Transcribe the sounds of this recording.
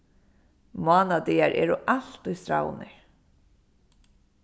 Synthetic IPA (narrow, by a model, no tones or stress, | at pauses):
maːnad̪iaɹʔɛ̰ːɾʊʔal̥t̪ʊjst̪ɾa̰wnɪɹ